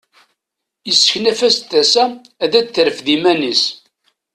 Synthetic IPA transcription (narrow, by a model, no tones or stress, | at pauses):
jəsːə̥çnæfæst̪ːæsæ | æðæθəɾəfðimænis